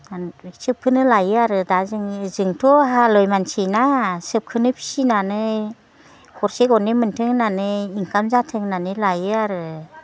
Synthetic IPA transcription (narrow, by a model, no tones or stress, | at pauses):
sɯp̚kʰɯnɯlajɯaɾɯdazɯŋzɯŋtʰɔɦalɔjmansijnasɯp̚kʰɯnɯpʰi̥sinanɯ | hɔɾseɡɔnemɯntʰɯŋnanɯiŋkamzatʰɯŋnanɯlajɯaɾɯ